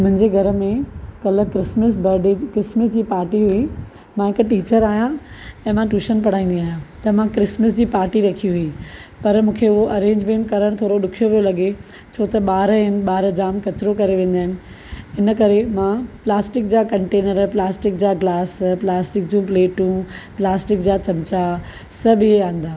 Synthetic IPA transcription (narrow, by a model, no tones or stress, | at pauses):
mʊ̃ɦɪ̃ɲd͡ʑeɡʱɐɾmẽkɐlə̆kɾɪsməsbɐɾɖikɾɪsməsd͡ʑiːpaːɾʈiɦʊi | mãɦɪkʈiːt͡ɕəɾaːɦijãɛ̃ːmãʈuːʃənpɐɽ̤aːĩːnd̪iaːɦjãt̪ɐmãkɾɪsməsd͡ʑiːpaːɾʈiɾɐkʰiɦʊipɐɾmũːkʰeʊɦoʔɐɾẽːɲd͡ʑmẽːɳʈkɐɾəɽ̃t̪ʰoːɾoɗʊkʰijoʋijolɐɠe | t͡ɕʰoːt̪ɐɓaːɾɦɪnɪ̆ɓaːɾəd͡ʑaːmkɐt͡ɕɪɾokɐɾeʋẽːn̆d̪aːɦɪnɪ̆ | ɪnəkɐɾemãplaːsʈɪk̚d͡ʑaːkɐ̃ɳʈeːnəɾplaːsʈɪk̚d͡ʑaːɡlaːsplaːsʈɪk̚d͡ʑũːpleːʈũplaːsʈɪkd͡ʑaːt͡ɕɐmt͡ɕa | sɐbɪeaːɦɪ̃n̆d̪aː